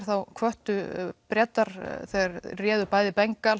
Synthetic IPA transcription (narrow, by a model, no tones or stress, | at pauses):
ɾ̥θawkʰvœht̪ʏpɾjɛːt̪aɾ̥θɛːɣaɾrjɛːðʏpaːjðɪpɛŋkal